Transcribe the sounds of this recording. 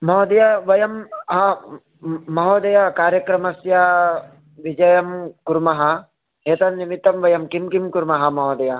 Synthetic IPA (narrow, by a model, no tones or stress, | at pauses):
mɐɦoːd̪ɐjaʋɐjɐmɦɐ | mɐɦoːd̪ɐjakaːɾjɐkɾɐmɐsja | ʋid͡ʒɐjɐmkuɾmɐɦɐ | ɦeːt̪ɐnnːimit̪ːɐmʋɐjɐmkimkimkuɾmɐɦɐmɐɦoːd̪ɐja